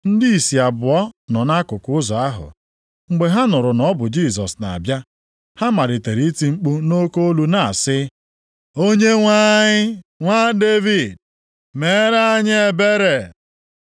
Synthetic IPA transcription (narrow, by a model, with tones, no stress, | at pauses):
n̩˦di˦i˨si˨a˨bʊ˨ɔ˦nɔ˨na˦kʊ˨kʊ˦ʊ˦zɔ˨a˦ɦʊ̰˨ | ŋ͡m̩˨ɡ͡be˨ɦa˦nʊ˨ɾʊ˨nɔ˦bʊ˨d͡ʒi˦˨zɔ̰˨sna̰˨a˨bja˦ | ha˦ma˨ɾɪ˨te˨ɾi˨˦ti˦ŋ͡m̩˦k͡pu˦no˦ko˦o˦lu˦na˨a˨sɪ˦ | o˦ɲe˦ŋʷa˦ɲɪ˦ŋʷa˦de˦vi˨d | me˨˦ɾa˦a˦ɲ˦e˨be˦ɾe˨